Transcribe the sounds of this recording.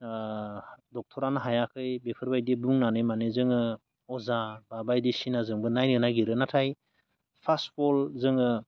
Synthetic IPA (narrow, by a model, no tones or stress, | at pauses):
dɔk̚tʰɔɾanaɦajakʰɯjbepʰɯɾbajdebuŋnanɯmanezɯŋɯ | ɔzababajdesinazɯŋbɯnajnɯnaɡiɾɯnatʰaj | pʰastpʰɔlzɯŋɯ